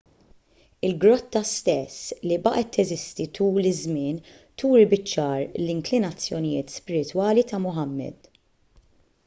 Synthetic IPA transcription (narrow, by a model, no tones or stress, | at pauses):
ɪlɡɾɔt̪ːɐst̪ɛslibɐʔɛt̪ːɛzɪst̪it̪uːlɪzmɪːn | t̪uːɾibɪt͡ʃːɐːɾlɪŋklɪnɐt͡sːjɔnɪjɪːt̪spɪɾɪt̪wɐːlit̪ɐmʊħɐmːɛ̰d̪̥